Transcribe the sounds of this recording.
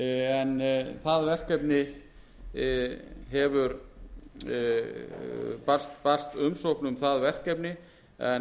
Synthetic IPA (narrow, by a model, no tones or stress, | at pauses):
ɛnθaðvɛr̥kɛpnɪ | ɦɛvʏɾ | par̥st̪par̥st̪ʏmsowpnʏmθaðvɛr̥kɛpnɪ | ɛ